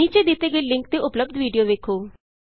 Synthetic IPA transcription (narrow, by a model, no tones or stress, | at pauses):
iːt͡ʃed̪ɪt̪eɡəelɪ̃ŋk̚t̪eʊpləb̚d̪ʱʋiːɖijoːʋeːkʰoː